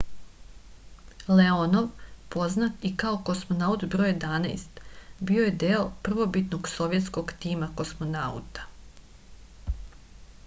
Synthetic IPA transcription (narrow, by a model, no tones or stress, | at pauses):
leono̞ʋpo̞znat̪ikaoko̞smo̞naut̪bɾoːjed̪ana̰jst̪bio̞jed̪eopr̩ʋo̞bit̪noɡso̞ʋjet̪sko̞ɡt̪iːmako̞smo̞naṵt̪ḁ